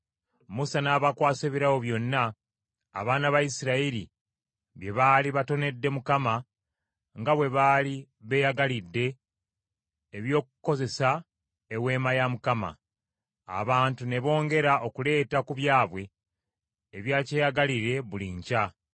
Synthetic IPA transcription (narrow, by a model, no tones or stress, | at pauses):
musanaːβakwaːse̞ːβiɾawo̞βjo̞nːa̰ː | βaːnaβaisiɾaiɾḭ | βje̞βaːliβato̞ne̞dːe̞mukama | ŋɡaβwe̞βali | βe̞jaɡalidːe̞ | βjo̞ːk̚ukːo̞ze̞sa | ewe̞ːmajamukama̰ | a̰βaːntune̞βo̞ːŋɡe̞ɾaʔo̞kule̞ːtakuβjaːβwe̞ː | βjaːceːjaɡaliɾe̞βuliɲca